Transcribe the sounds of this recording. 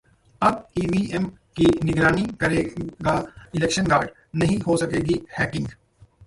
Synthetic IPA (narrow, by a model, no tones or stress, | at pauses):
ɐbiːʋiːʔɛm | kinɪɡɾaːnikɐɾeːɡaɪlɛːkʃənɡaːɾɖ | nɐɦĩɦosɐkeːɡihɛːkɪ̃ŋɡ